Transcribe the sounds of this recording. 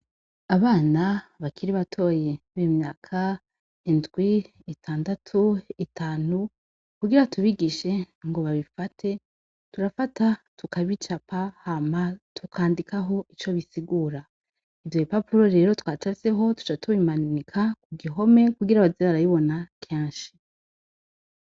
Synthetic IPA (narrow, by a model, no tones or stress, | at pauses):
aβaːnaβakʰiɾiβatʰo̞je | βemɲaːkʰa | indɡwi | itʰaːndatʰuitʰaːnu | kuɡiɾatuβiɡiʃe̞ | ŋɡo̞βaβifatʰe̞ | tuɾafatatukaβit͡ʃapahamatʰukʰaːndikaɦo̞ʔit͡ʃo̞βisiɡuːɾa | ivjoipapuɾo̞ɾe̞ːɾo̞twat͡ʃaseɦo̞tu̥t͡ʃatʰuβimanikʰakuɡiɦo̞me̞kuɡiɾaβazeβaɾajiβo̞nakʰeːnʃi̥